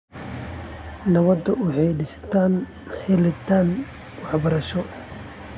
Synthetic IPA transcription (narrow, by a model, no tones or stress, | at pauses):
nɐβɐd̪ɐʊħɛjɖɪsɐ̥t̪ʰaːn | ħɛlɐt̪ʰaːn | wɑħbɐɾɐʃɔ